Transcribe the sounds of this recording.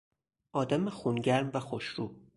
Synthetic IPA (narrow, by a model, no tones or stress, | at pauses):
ʔɒːd̪æmexuːnɟæɾmvæxoʃɾuː